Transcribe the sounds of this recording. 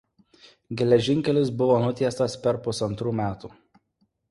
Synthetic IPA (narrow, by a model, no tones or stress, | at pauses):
ɡʲɛlʲɛʒʲɪŋʲkʲɛlʲɪsbʊʋoːnʊt̪ʲiɛst̪ɐspʲɛɾpʊsɐnt̪ɾuːmʲæːt̪uː